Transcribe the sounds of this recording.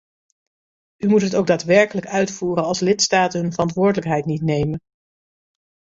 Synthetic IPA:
ymutɦətowɡ̚daːtʋɛɹkələkœɥtfuːrənɑlˠslɪtstaːtəɦɵnvərɑntʋʊːɹdələkɦɛjtnitnejmən

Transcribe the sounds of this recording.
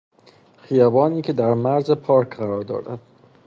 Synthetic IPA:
xijɒːbɒːniːcʰe̞d̪æɾmæɾzepʰɒːɾkɢæɾɒːɾd̪ɒ̰ːd̪æ̰d̪̥

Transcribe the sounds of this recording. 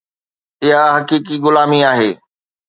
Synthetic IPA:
ɪɦaɦɐkiːk̬iɡʊlaːmiaːɦeː

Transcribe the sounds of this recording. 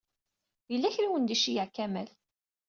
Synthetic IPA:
jəlːæçɾawənd̪iʃijəʕkːæmæl

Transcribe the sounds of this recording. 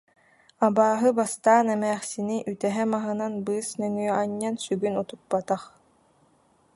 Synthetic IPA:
abaːɦɯbast̪aːnɛmɛːχsiniʔyt̪ɛɦɛmaɦɯnanbɯːsnœŋyœaɲːansyɡynut̪up̚ːat̪aχ

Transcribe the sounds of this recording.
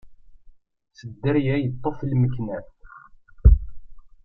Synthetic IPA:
səd̪ːəɾjæjət̪ˤːoflməkːnæ

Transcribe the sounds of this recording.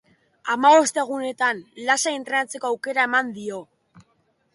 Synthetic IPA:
amaβo̞st̪e̞ɣ̞une̞t̪anlasaint̪ɾe̞nat͡se̞ko̞awke̞ɾae̞mand̪io̞

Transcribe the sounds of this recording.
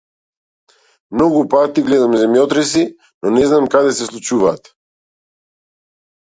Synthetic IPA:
mnɔɡupat̪iɡlɛd̪amɛzɛmjɔt̪ɾɛsi | nɔnɛznamkad̪ɛsɛslˠut͡ʃuvaːt̪

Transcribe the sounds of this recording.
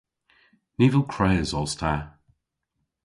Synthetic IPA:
niːvəlˠkʰɹ̥ɛːzɔlˠstʰa

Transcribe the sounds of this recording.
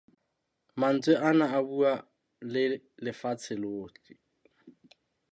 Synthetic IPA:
man̩t͡sʼweʔanaabua | lɪ | lɪfat͡sʰɪloːt͡ɬʼi

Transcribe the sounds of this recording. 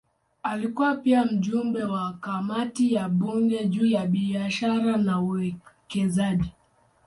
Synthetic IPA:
alikuwapiam̩ʄumbɛwakamatijaɓuŋɡɛʄuːjaɓiaʃaɾanauwɛkɛzaʄi

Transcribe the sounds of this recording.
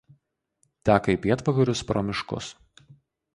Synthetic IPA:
t̪ʲæːkɐipʲiɛt̪ʋɐɡɐɾʲʊspɾɔmʲɪʃkʊ̰s

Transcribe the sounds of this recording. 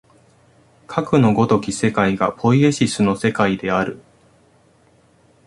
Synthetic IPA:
kʰakɯ̟no̞ɡo̞t̪o̞kʲise̞kaiɡapʰo̞ie̞ɕisɨno̞se̞kaid̪e̞aɾɯ̟

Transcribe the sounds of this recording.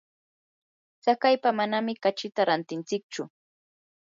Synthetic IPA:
t͡sakajpamanamɪkat͡ʃɪt̪aɾant̪ɪnt͡sɪk̚t͡ʃʊ

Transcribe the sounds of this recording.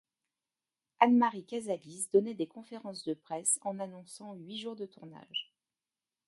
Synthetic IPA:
anmaʁikazalisd̪ɔnɛd̪ekɔ̃feʁɑ̃sd̪əpχɛsɑ̃nanɔ̃sɑ̃ɥiʒuʁd̪ət̪uʁna̰ʒ

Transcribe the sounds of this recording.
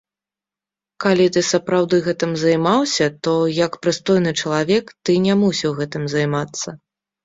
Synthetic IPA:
kalʲit̪ɨsɐpɾawd̪ɨɣɛt̪ɨmzajmawsʲɐt̪ɔjɐkpɾɨst̪ɔjn̪ɨt͡ʂɐlˠavʲɛkt̪ɨnʲamusʲiwɣɛt̪ɨmzajmat̪sːɐ

